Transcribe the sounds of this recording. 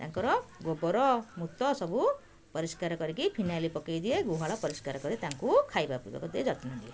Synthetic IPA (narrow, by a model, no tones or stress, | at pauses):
t̪aŋkɔɾɔɡobɔɾɔmut̪ɔsɔbu | pɔɾiskaɾɔkɔɾikipʰinalipɔkejd̪ieɡuɦaɭɔpɔɾiskaɾɔkɔɾit̪aŋkukʰajbapiba̰kud̪ed͡ʒɔt̪nad̪ie